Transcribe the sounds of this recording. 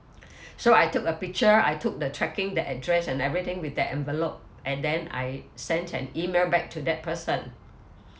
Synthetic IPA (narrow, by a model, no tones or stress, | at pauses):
soajtuk̚əpik̚t͡ʃəa̰jtʰuk̚dətʰɹɛkɪ̃ŋdɛʔɛdɹɛsɛ̃nɛvɹit̪ɪ̃ŋwiθdɛtɛ̃nvɛlop̚ | ʔɛ̃ndɛ̃na̰jsɛ̃ntʰɛ̰̃nimelbɛk̚tʰudɛt̚pʰəsə̃n